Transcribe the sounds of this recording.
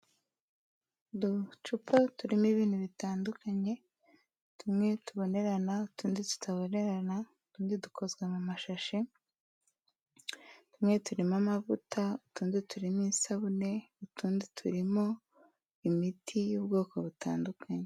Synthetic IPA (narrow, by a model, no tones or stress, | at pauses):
dut͡ʃupʰatuɾimiβiːn̥huβitaːndukaɲe̞ | tumŋe̞tuβo̞ne̞ɾanautuːnditu̥tʰaβo̞ne̞ɾana | tuːndidukʰo̞zɡwamumaʃaʃe | tumŋe̞tuɾimamavutʰautuːnzetuɾimiːsaβune̞utuːnzetʰuɾimo̞ | imitʰijuːbɡo̞ːko̞βutaːndukʰaɲe